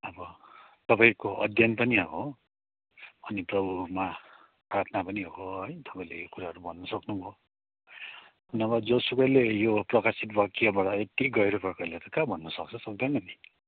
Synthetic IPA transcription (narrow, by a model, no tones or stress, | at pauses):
ʌbʌ | t̪ʌpaĩkoʔʌd̪ʱjʌnpʌniɦʌɦo | ʌniprʌbʱuma | pat̪ʰnapʌniɦoɦʌjt̪ʌpaĩlḛjokuɾaɦʌɾubʱʌnːʌsʌknubʱo | ʌnʌbad͡zosukʌjlejoprʌkasit̪̚bʱʌkiabaɽaet̪iɡʌjɾupʌkʌjlet̪ʌkabʱʌnːʌsʌk̚t͡sʰʌsʌk̚d̪ʌnʌni